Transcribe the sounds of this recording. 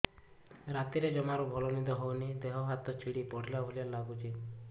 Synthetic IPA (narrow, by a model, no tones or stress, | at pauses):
ɾat̪iɾed͡ʒɔmaɾubʱɔlɔnid̪ɔɦownid̪eɦɔɦat̪ɔt͡ʃʰiɽipɔɽ̤ilabʱolialaɡut͡ʃʰi